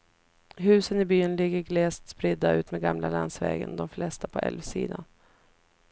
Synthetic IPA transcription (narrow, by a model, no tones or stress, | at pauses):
ɦʉ̟ːsənɪbyːənlɪɡːəɾɡlɛːst̪spɾɪd̪ːaʉ̟ːt̪mɛɡamlalansvɛ̰ːɡənd̪ɔmflɛst̪apʰɔʔɛ̰lvsḭːd̪an